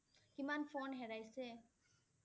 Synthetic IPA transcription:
kimanfoːnɦɛɾajse

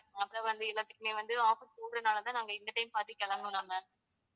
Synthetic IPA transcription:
ɐpːɾõːʋɐnd̪ɯɪɭːɐt̪ːɯkːɯmeːʋɐnd̪ɯaːfɪskuːɽɾɯnaːlɐt̪ãːnaːŋɡɐɪnd̪ɐʈɐɪmpaːɾt̪ːɯkɛɭɐŋʊ̃naːŋɡɐ

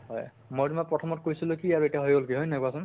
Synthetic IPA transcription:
ɦɔj | mojtumapɹɔtʰɔmɔt̚kojsilʊkiaɹuetiaɦojɡolkiɦɔjnaɡasʊn

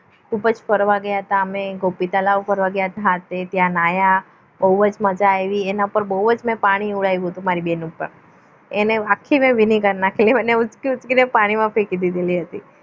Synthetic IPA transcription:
kʰupəd͡ʒfəɾʋaɡjaɦət̪ameɡopit̪alaʋufəɾʋaɡjaɦət̪aɦət̪et̪jãnaja | bəɦuʋəd͡ʒməd͡ʒaeʋienaupəɾbəɦuʋəd͡ʒmɛ̃paɽ̃iuɭajũɦət̪ũmaɾibenuːpə̰ɾ | eneakʰːimẽʋiniɡəɾnakʰeliənːeut͡ʃkiut͡ʃkinepaɽ̃imãfekid̪id̪eliɦət̪i

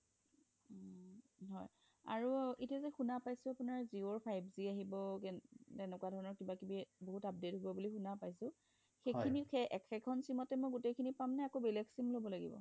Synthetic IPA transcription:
ɦɔj | a̰ɹuitiazɛxunapajsʊ̃apunaɹzioɹpʰajbziaɦibɔkɛtɛnɛkwadʱɔɹɔnɔɹkibakibiboɦutap̚detɦobɔbulixunapajsʊ̃ | xejkʰinixɛɛkʰɛkʰɔnsimɔtɛmɔjɡutejkʰinipamnɛakobelɛksimlobɔlaɡḭbɔ̰

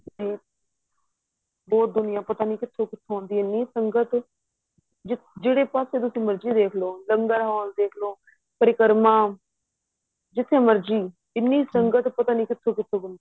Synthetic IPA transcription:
iː | bɔːt̪̚d̪ʊnɪjãːpət̪aːniːkɪt̪ʰːõːkɪt̪ʰːõõːnd̪iːɪnːiːsəŋɡət̪ | d͡ʒɪd͡ʒeːɽeːpaːseːt̪̬ʊsĩːməɾd͡ʒiːd̪eːkʰloːləŋɡəɾɦaːld̪eːkʰloː | pəɾɪkəɾmãː | d͡ʒɪt̪ʰːẽːməɾd͡ʒiː | ɪnːiːsəŋɡət̪pət̪aːnĩːkɪt̪ʰːõːkɪt̪ʰːõːbənd̪i

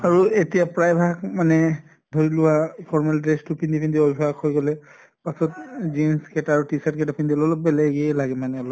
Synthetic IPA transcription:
aɹuetijapɹajbʱakmanɛ | dʱoɹilʊwapʰɔɹmɛldɹestupʰindipʰindiɔbʱiakʰojɡɔlɛ | pasɔtzinskɛtaaːɹutisatkɛtapʰindiɔlɔlɔp̚bɛlɛɡɛlaɡɛmanɛɔlɔp

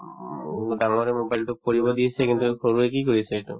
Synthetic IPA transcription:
ɖalɾemobajlʈupoɾibod̪iet͡ɕʰekint̪ukoɾuekikoɾit͡ɕʰeeʈṵ

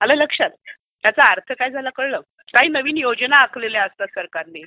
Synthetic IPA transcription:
ələləkʂat̪̚ | t̪jat͡saːɾt̪ʰəkajd͡zʱalakəɽlə | kaɦiːnəʋiːnjod͡ʑnaːkʰleljaəst̪asəɾkaɾne

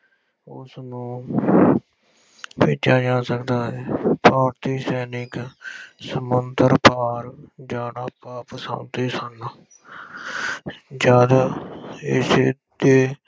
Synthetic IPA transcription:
ʊsnũː | peːt͡ʃaːd͡ʒãːsəkd̪aːɦɛːpaːɾt̪iːsɛːnɪksəmənd̪əɾpaːɾd͡ʒaːnaːpaːpəsã̰ʊ̃nt̪eːsəna | d͡ʒaːd̪ | ɪs | d̪eː

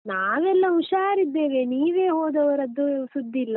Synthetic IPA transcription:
naːʋɛlːɐuʃaːɾid̪ːe̞ːʋeniːʋe̞ːɦoːd̪ɐʋɐɾɐd̪ːusud̪ːilːɐ

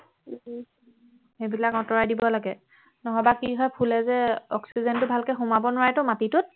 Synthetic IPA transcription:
xebilakɔtɔɹajdibɔlaɡɛ | nɔɦɔbakiɦɔjpʰulɛzɛɔksizɛntʊbʱalkɛxumabɔnʊwaɹɛtʊmatitʊt̚

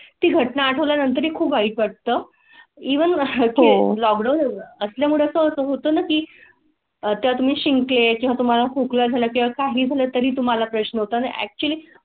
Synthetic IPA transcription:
t̪iːɡʱəʈnaːʈʰəʋljanənt̪əɾikʰuːpaiːpʋaʈ̚t̪əː | iʋənkelɔk̚ɖawnəsljaməɽəsəəsəɦot̪əːnakiː | t̪jat̪um̤iːɕiŋklekĩw̃ʋat̪um̤alafuklad͡zʱaləkĩʋakaɦiːd͡zʱaləːt̪əɾiːt̪̬um̤alapɾəɕnəɦot̪anəæ̰k̚t͡ɕuəliː

